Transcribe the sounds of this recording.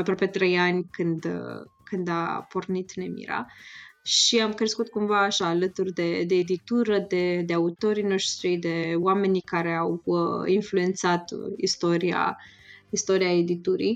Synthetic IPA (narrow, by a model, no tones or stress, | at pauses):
apɾoape̞t̪ɾe̞janʲkɨnd̪kɨnd̪a̰po̞rnit̪ne̞mḭɾa̰ʃiamkɾe̞skut̪̚kumvaːʃaːlət̪urʲd̪e̞d̪e̞ːd̪it̪uɾəd̪e̞d̪e̞aut̪o̞ɾino̞ʃt̪ɾijd̪e̞wame̞nikaɾe̞awəinflue̞nt̪sat̪ist̪o̞ɾia̰ | ist̪o̞ɾiae̞d̪it̪uɾḭ